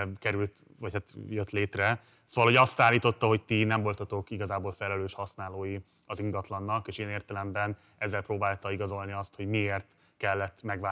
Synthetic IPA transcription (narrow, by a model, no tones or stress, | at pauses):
kɛɾylt̪ | vɒchat̪jøt̪leːt̪rɛ | soːvɒlho̞ɟɒst̪aːlːiːt̪o̞t̪ːɒɦo̞c̚t̪inɛɱvo̞lt̪ɒt̪o̞kiɡɒzaːbolfɛlɛløːʃhɒsnaːloːji | ɒziŋɡɒt̪lɒnːɒkeːʃiːneːrt̪ɛlɛmbɛn | ɛzːɛlproːbaːlt̪ɒiɡɒzo̞lniɒst̪ho̞ɟmieːrt̪ | kɛlːɛt̪ːmɛɡva